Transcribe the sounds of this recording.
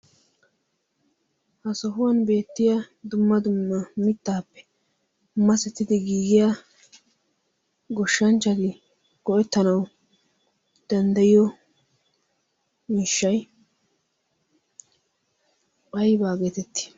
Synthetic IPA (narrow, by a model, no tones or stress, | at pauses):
hɐsɔɦʊwɐnbe̞ːt̪ːɪjad̪ʊmːɐd̪ʊmːɐmɪt̪ːaːpːɛ̥ | mɐsɛt̪ːɪd̪ɪɡiːɡɪja | ɡɔʃːɐnt͡ʃːɐd̪ɪ | ɡ̥ɔʔɛt̪ːɐnɐw | d̪̥ɐnd̪ɐjɪjɔ | miːʃːɐj | pɐjbaːɡeːt̪ɛt̪ːɪ̥